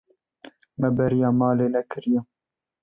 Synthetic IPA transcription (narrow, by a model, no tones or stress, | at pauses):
mɛbɛɾijɑːmɑːleːnɛkɨɾijɛ